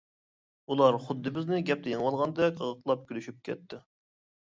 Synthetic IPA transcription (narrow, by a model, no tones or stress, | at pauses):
ulˠɑɾχʊd̪ːɨbɪznɪɡʲɛp̚t̪ʰɛjɪŋwɑlˠʁɑnd̪ɛkʲəʁəqlˠɑp̚kʲʰylyʃyp̚kʲʰɛ̰t̪ːɪ